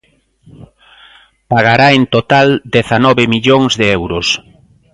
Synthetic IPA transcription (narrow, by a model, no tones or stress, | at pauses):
paɣaɾaent̪ot̪ald̪eθanɔβɪmiʎoŋzðeɛwɾʊs